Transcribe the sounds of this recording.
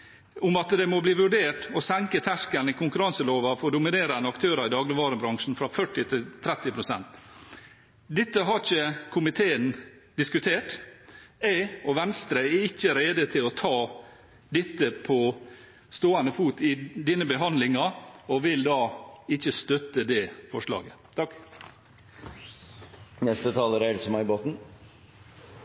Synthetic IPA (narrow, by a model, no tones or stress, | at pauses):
ʊmɑt̪d̪ɛmɔbliːʋʉɖeːʈɔsæŋkət̪ʰæʂkənɪkʰʊŋkʉɾɑŋsəloːʋɑfɔɖʊmɪneːɾənəɑkt̪ʰøːɾɑɪd̪ɑːɡlɪʋɑːɾəbɾɑŋʂn̩fɾɑfœʈːɪt̪ʰɪt̪ʰɾɛt̪ːɪpʰɾʊsɛnt̪ | d̪ɪt̪ːəɦɑɾɪçəkʰʊmɪt̪ʰeːən | d̪ɪskʉt̪ʰeːʈ | æɪɔʋɛnst̪ɾəɛɪçːəɾeːd̪ət̪ʰɪlɔt̪ʰɑː | d̪ɛt̪ːəpʰɔ | st̪oːɑnəfuːt̪ɪd̪iːnəbəɦɑnd̪lɪŋɑɔʋɪld̪ɑːɪçːəst̪œt̪ːəd̪ɛfɔʂlɑ̰ːɡə | t̪ʰɑk | nɛst̪ət̪ʰɑːləɾæɪlsəmɑɪboːt̪n̩